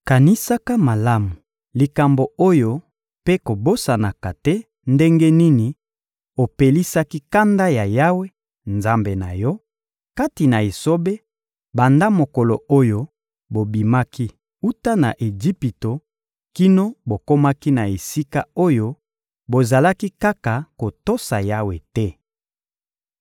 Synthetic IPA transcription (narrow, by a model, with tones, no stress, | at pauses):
ka˨ni˦sa˦ka˦ma˨la˦mu˨ | li˨ka˨mbo˨o˦jo˦ | pe˦ko˨bo˦sa˨na˨ka˨tɛ˦ | nde˦ŋɡe˦ni˦ni˨ | o˨pe˨li˦sa˦ki˦ka˦nda˦ja˨ja˦we˦ | nza˦mbe˨na˨jɔ˦ | ka˦ti˨na˨e˨so˦be˦ | ba˨nda˦mo˨ko˨lo˨o˦jo˦ | bo˨bi˨ma˦ki˦ | u˦ta˦na̰˨ʔe˨d͡ʒi˦pi˨to˨ | ki˦no˦bo˨ko˦ma˦ki˦na˨e˨si˦ka˦o˦jo˦ | bo˨za˨la˦ki˦ka˦ka˨ko˨to˦sa˨ja˦we˨tɛ˦